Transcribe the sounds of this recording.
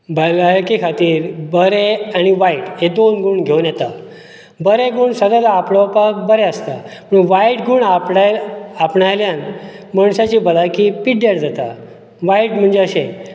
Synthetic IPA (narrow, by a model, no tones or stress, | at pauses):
bəlaɭkikʰat̪iːɾbəɾeaɽ̃iʋaiʈɦed̪onɡuːɳɡʱeunjɛt̪a | bəɾeɡuːɳsəd̪əd̪apɽəʋpakbəɾeəst̪apəɳʋaiʈɡuːɳapɽaapɳajljanməɳɕat͡ɕiːbəlajkipiʈ̚d̪eɽd͡zat̪a | ʋaiʈm̤əɳd͡zeəɕe